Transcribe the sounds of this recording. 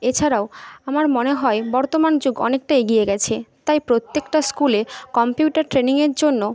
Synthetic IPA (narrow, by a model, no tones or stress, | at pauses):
et͡ɕʰaɾaoamaɾmoneɦɔebɔɾt̪omand͡ʑoɡɔ̰nek̚ʈajeɡieɡɛt͡ɕʰet̪ajpɾot̪ːekʈaskulekɔmpijuʈaɾʈɾeniŋeɾd͡ʑonːo